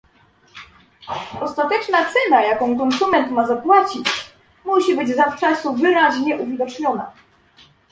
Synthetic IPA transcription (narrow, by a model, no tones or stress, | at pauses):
ɔst̪at̪ɛt͡ʂnat̪sɛnajakɔ̃w̃kɔnsumɛnt̪mazapwat͡ɕit͡ɕ | muɕibɘd͡ʑzaft͡ʂasuvɘɾaʑɲɛʔuvʲid̪ɔt͡ʂɲɔna̰